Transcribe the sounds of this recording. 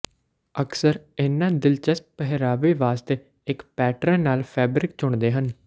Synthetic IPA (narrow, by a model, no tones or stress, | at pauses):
əksəɾɪːnːãːd̪ɪlt͡ʃəst̪̚pəɦɾaːʋeːʋaːst̪eː | ɪkpɛːʈɾãːnaːlpʰɛːbɾɪk̚t͡ʃʊɳd̪eːɦən